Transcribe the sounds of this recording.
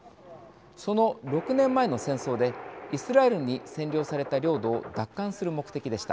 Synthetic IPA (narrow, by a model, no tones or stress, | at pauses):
so̞no̞ɾo̞kɯ̟nẽ̞mːae̞no̞sẽ̞ɰ̃so̞ːd̪e̞isɨɾae̞ɾɯɲ̟isẽ̞ɲɾʲo̞ːsaɾe̞t̪aɾʲjo̞ːd̪o̞ːd̪akːãɰ̃sɨɾɯ̟mo̞kɯ̟̥t̪e̞kʲid̪e̞ɕi̥t̪a